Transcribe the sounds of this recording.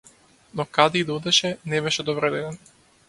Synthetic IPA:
nɔkad̪ɛid̪ɔd̪ɛʃɛnɛbɛʃɛd̪ɔvɾɛd̪ɛd̪ɛn

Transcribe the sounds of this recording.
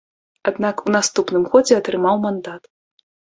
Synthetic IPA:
ad̪nakunast̪upnɨmxɔd͡zʲɛɐt̪ɾɨmawmand̪at̪

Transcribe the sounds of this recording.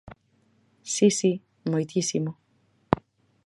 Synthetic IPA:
sisi | mojt̪isimo

